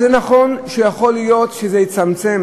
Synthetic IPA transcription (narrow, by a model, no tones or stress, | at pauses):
zenaχo̞nʃejaχo̞lijo̞tʃezejit͡samt͡se̞m